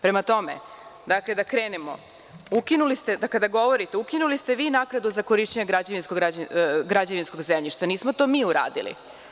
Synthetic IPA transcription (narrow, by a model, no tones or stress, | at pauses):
pɾe̞mat̪o̞mḛ | d̪akle̞d̪akɾeːnemo̰ | ukinulist̪e̞d̪akad̪aɡo̞ʋo̞ɾit̪eukinulist̪e̞ʋiːnaknad̪uzako̞ɾiʃt͡ɕeɲeɡɾad͡ʑaʋinskoɡɾad͡ʑɡɾad͡ʑaʋinsko̞ɡzemʎiʃt̪aniːsmo̞t̪o̞miːuɾa̰ːd̪ḭlḭ